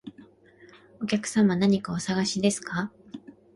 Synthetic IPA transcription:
o̞kʲakɯ̟̥sãmanaɲ̟ikao̞saɡaɕid̪e̞sɨ̥ka

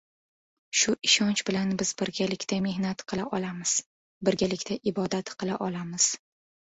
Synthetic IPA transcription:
ʃʊʔɪʃɒnt͡ʃbɪlanbɪz̥bɪɾɡʲalɪkʲt̪ʰame̞hnat̪qʰɨlˠaʔɒlamɪz̥ | bɪɾɡʲalɪkʲt̪ʰaʔɪbɒd̪at̪qʰɨlˠaʔɒlamɪz̥

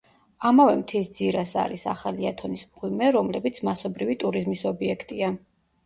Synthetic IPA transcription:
amavɛmt̪ʰisd̪ziɾasa̰ɾisaχaliat̪ʰɔnismʁwimɛɾɔmlɛbit̪sʰmasɔbɾivit̪ʼuɾizmisɔbiɛkʰt̪ʼia

